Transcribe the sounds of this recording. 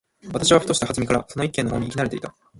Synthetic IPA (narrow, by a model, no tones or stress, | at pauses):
βat̪aɕiβaɸɯ̟̥t̪o̞ɕi̥t̪ahazɨmʲikaɾaso̞no̞ikːẽnːojoːiːkʲinaɾt̪e̞it̪a